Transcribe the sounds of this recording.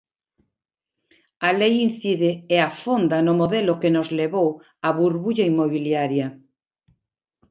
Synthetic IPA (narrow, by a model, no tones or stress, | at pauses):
alejin̟θiðeːafond̪anomoðelokenozleβow | aβuɾβuʎaimoβiljaɾjɐ